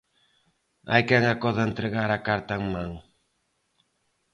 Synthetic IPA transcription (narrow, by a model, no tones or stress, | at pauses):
a̰jkɛŋakɔðɐent̪ɾɪɣaɾakaɾt̪aŋmãŋ